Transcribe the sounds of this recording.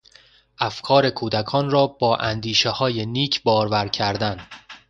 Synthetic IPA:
ʔæfkʰɒːɾe̞kʰuːd̪ækʰɒːnrɒːbɒːʔænd̪iːʃehɒːje̞niːcʰbɒːɾvæɾcʰæɾd̪æn

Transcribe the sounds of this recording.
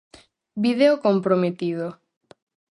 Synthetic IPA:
biðeokompɾomet̪iðo

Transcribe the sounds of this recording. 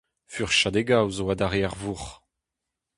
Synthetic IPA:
fyʁʃad̪eɡawzowad̪aʁeaʁvuʁ

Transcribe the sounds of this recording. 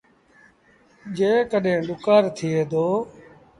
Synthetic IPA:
d͡ʒeːkəɗẽːɗʊkaːɾt̪ʰɪeːd̪oː

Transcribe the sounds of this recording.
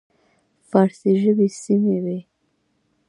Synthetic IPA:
faɾsiʒəbisimewe

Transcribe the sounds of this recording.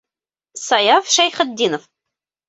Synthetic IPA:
sɑjɑfʃæjχə̆d̪ːinof

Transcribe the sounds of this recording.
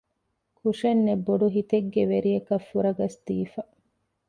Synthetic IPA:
kʰuʂenːebːoɖuɦit̪eɡːeʋeɾijɐkɐfːuɾɐɡɐsd̪̥iːfɐ

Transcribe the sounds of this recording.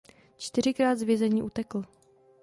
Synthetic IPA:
t͡ʃt̪ɪɾ̝ɪkɾaːd̪zvjɛzɛɲiːʔut̪ɛkl̩

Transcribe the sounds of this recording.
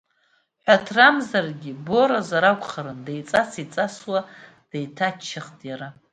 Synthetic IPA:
ħʷᶣatʰramzarɡʲibo̞ɾazaɾakʷʰʼχaɾɨndejt͡sʼasit͡sʼaswa | d̥ejtʰat͡ʃʰːaχtʼjaɾa

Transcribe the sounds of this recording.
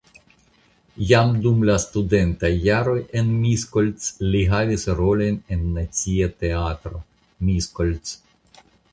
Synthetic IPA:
jamdumlastude̞ntajːaɾo̞je̞nmiskolt͡sliɦavisɾo̞lo̞jne̞nːat͡siate̞atɾo̞ | miskolt͡s

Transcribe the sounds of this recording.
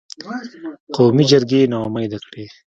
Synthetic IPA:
qowmid͡ʒɐɾɡeːnamajd̪akɽeː

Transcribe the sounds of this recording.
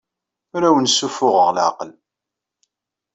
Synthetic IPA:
ʊɾæwənsufʊʁəʁlʕa̰qəl

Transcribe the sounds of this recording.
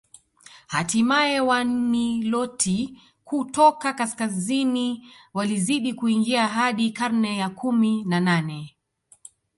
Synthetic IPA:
hatimaɛwan̩nilɔti | kutɔkakaskaziniwaliziɗikuiŋɡiaɦaɗikaɾnɛjakuminananɛ

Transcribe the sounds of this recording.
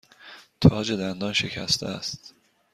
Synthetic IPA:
t̪ʰɒːd͡ʒed̪ænd̪ɒːnʃe̞cʰæ̰st̪ʰḛæst̪

